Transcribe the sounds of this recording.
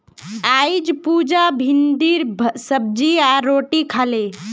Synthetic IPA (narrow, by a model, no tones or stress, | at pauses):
aid͡ʒpuːd͡ʒabʱind̪iɾʱsəb̚d͡ʒiaɾoːʈikʰaːle